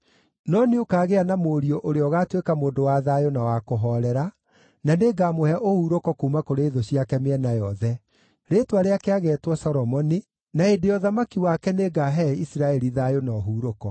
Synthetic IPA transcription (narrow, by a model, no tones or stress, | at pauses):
nɔneokaːɣeanamoɾiɔʔoɾeɔɣatwekamoːndowaðajonawakoɦɔɾɛɾa | naneɡaːmohɛʔohuːɾokɔkuːmakoɾeːðoɕiakɛmeɛnajɔðɛ | ɾetwaɾeakeaɣɛtwɔsɔɾɔmɔni | naendejɔðamakiwakɛneɡaɦɛisiɾaɛɾiðajonɔɦuːɾokɔ